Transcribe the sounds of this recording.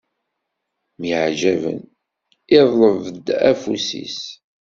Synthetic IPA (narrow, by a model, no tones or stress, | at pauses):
miʕʒævə̰n | ɪðˤləvəd̪æfusḭs